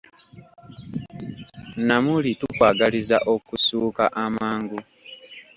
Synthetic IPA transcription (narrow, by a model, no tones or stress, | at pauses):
namulitukwaːɡalizaʔo̞kusuːkaʔamaːŋɡu